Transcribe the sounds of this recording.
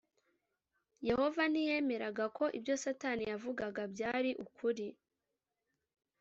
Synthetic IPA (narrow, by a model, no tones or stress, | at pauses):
je̞ho̞vanije̞me̞ɾaɡakʰo̞ʔḭbjo̞satanijavuɡaɡabjaːɾiʔukʰuɾi